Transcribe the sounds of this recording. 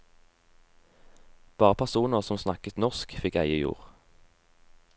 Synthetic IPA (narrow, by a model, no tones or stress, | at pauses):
b̥ɑːʁəpʰæʁsuːnəʁsɔmsnɑkət̪nɔʁskfɪkæ̰ɪəjṵːʁ